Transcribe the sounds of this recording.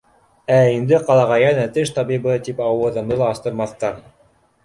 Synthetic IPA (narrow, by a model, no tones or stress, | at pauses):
æind̪ɘqɑlˠɑʁɑjænæt̪ɘʃt̪ɑbibɤt̪ipɑwɤ̆ðɤ̆md̪ɤlˠɑːst̪ɤ̆ɾmɑθt̪ɑɾ